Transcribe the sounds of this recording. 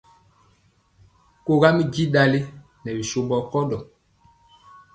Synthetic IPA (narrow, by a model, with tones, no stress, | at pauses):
ko˦ɣa˦mi˦ɡi˦ɗa˨li˦ | nɛ˨bi˨so˦bɔ˨kɔ˦dɔ˨